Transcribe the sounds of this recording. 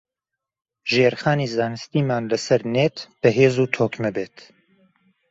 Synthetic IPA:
ʒeːɾxaːnizaːnɨst̪iːmaːnlɐsɐɾneːt̪b̥ɐɦeːzuːt̪ʰoːkmɛbeːt̪

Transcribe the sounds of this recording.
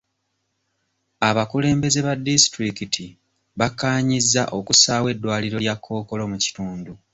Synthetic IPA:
aβakule̞ːmbe̞ze̞βadːisitɾikitʰi | βakːaːɲizːaʔo̞kusaːwe̞dːwaːliɾo̞ljakʰːo̞ːko̞lo̞muci̥tuːndu

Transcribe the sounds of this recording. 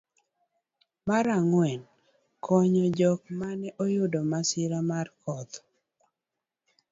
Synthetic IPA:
maɾaŋwɛn | kʰɔɲɔd͡ʒɔk̚manɛʔojʊdɔmasɪɾamarkʰɔd̪

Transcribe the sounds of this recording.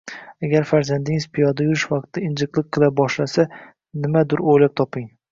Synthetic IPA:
aɡʲaɾfaɾzand̪ɪŋzpʰɪjɒd̪ajʊɾɪʃvɑq̚t̪ːɪɪnd͡ʒɨqlˠɨq̚qʰːɨlˠabɒʃlasa | nɪmad̪ʊɾojlap̚t̪ʰɒpɪŋ

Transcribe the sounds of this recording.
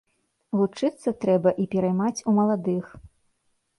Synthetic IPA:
ɣut͡ʂɨt̪sːɐt̪ɾɛbɐʔipʲɛɾajmat͡sʲumɐlˠad̪ɨx

